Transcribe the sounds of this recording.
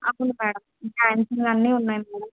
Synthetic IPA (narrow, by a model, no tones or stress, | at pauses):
ɐwunumɛːɽɐmifaːnsiŋɡɐnːiːunːaːjmɛːɽɐm